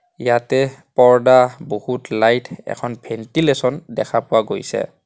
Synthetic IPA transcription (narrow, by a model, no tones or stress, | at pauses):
jatɛpɔɹdabohutlajtʰɛ̰kʰɔnbʰʱɛntilesɔndɛ̰kʰapʊwaɡo̰jsɛ̰